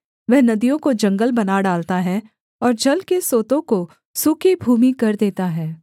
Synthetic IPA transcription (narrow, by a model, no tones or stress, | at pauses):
ʋɛɦnɐd̪ijõkod͡ʒɐ̃ŋɡəlbɐnaɖaːlt̪aɦɛ | ɔːɾd͡ʒɐlkesoːt̪õko | suːkebʱuːmikɐɾd̪eːt̪aɦɛː